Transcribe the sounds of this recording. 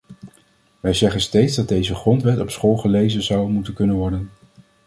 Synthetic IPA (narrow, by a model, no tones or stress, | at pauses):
ʋɛjzɛχənstejtzdɑd̚ejzəχrɔntʋɛtɔpsχoːlˠχəlejzənzɑwmutənkɵnənʋɔɹdən